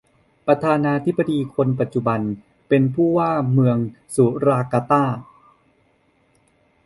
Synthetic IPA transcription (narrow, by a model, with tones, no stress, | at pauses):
pɾa˧t̪ʰaː˧naː˧t̪ʰi˦˥b̚ːa˧diː˧kʰo˧np̬a˨˩t̪̚t͡ɕu˨˩ba˧n | pe˧npʰuː˥˩waː˥˩mɯ˧əŋsu˩˦ɾaː˧kaː˧t̪aː˥˩